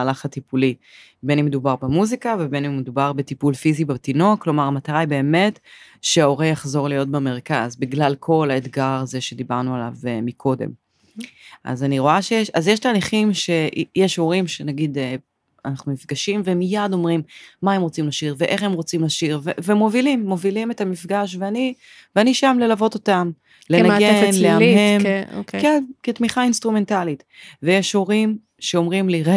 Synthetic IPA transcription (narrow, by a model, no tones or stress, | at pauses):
alaχatipuli | benemːed̪ubaʁbemuzikavebe̞nemːed̪ubaʁbetipulfizibatino̞klo̞maʁamat̪aʁajbe̞ːme̞tʃeao̞ʁejaχzo̞ʁlijo̞t̚beme̞ʁkazbiɡlalkʰo̞laetɡaʁaze̞ʃe̞d̪ibaʁnuala̰vmikʰo̞de̞̰m | ʔa̰zaniʁo̞aʃejeʃazjeʃtaːliχimʃe̞jeʃo̞ʁimʃenaɡid̪e | anaχnumifɡaʃimvemijado̞mʁimmae̞mʁo̞t͡simlaʃiʁveʔeχe̞mʁo̞t͡simlaʃiʁvevemo̞vilimːo̞vilimetamifɡaʃ̬veani | veaniʃamle̞lavo̞t̪o̞tam | lenaɡenleamhemokkenkitmiχainstʁume̞ntalit | vejeʃo̞ʁim | ʃe̞o̞mʁimliʁe